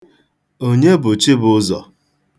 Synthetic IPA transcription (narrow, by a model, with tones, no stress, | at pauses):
o˦ɲe˦bʊ˨t͡ʃi˦bʊ˦zɔ̰˨